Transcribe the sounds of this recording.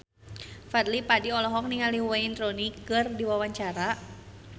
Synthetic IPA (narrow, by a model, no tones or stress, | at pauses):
fad̪lipadiɔlɔɦɔk̚niŋaliwaint̪ɾonikɨrdiwawaɲt͡ʃaɾa